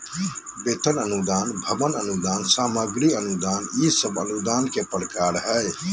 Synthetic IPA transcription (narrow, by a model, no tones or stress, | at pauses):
bet̪ənənud̪aːnbʱəbənənud̪aːnsaːməɡɾiənud̪aːnisəbə̰nud̪aːnkepəɾkaɾɦəj